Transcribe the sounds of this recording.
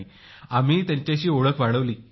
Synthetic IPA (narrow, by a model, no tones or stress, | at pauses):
i | amiːt̪jãɲt͡ɕjaɕiːoɭəkʋaɽəʋliː